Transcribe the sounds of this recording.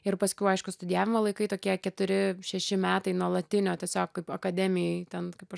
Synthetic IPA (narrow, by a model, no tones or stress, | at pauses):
ɪrpɐsʲkʲɛʊɐɪʃkʊst̪ʊd̪ʲɪjæːʋʲɪmɐlˠɐɪkɐɪt̪oːkʲiɛkʲɛt̪ʊɾʲɪʃʲɛʃʲɪmʲæːt̪ɐɪnuɔlˠɐt̪ʲɪnʲoːtʲiɛsʲoːk̚kɐɪpɐkɐd̪ʲɛmʲɪjɛɪt̪ʲɛnkɐɪpɐʃ